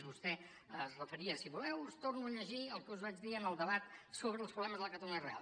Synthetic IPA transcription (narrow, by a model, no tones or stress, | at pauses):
zβust̪ɛ | əzrəfəɾiəsiβulɛwust̪ornuəʎəʒiəlˠkəuzβad͡ʒðiənəlˠd̪əβat̪soβɾəːlˠspɾuβlɛməzðələkət̪əluniərea̰lˠ